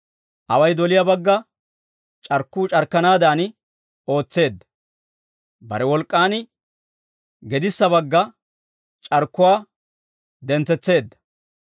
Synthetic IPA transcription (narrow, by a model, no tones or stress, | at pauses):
ʔɐwɐjd̪ɔlɪjabɐɡːɐ | t͡ʃʼɐɾkːuːt͡ʃʼɐɾkːɐnaːd̪aːnɪ | o̞ːt͡sːe̞ːd̪ːɐ̥ | bɐ̰ɾɛwɔlkʼːaːnɪ | ɡɛd̪ɪsːɐbɐɡːɐ | t͡ʃʼɐɾkːʊwaː | d̪ɛnt͡sːɛt͡sːe̞ːd̪ːɐ̥